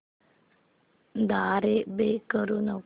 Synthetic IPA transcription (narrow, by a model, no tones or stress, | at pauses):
d̪aːɾebekəɾuno